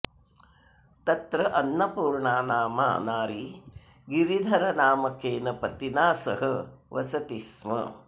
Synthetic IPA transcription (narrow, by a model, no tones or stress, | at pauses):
t̪ɐt̪ɾɐʔɐnːɐpuːɾɳaːnaːma̰ːnaːɾi | ɡiɾid̪ʱɐɾɐnaːmɐkeːnɐpɐt̪inaːsɐɦɐʋɐsɐt̪ismɐ̰